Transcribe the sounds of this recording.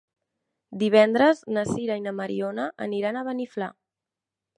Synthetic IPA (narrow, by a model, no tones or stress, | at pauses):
d̪iβ̞ɛnd̪ɾəznəsiɾainəməɾionəʔəniɾanəβənifla̰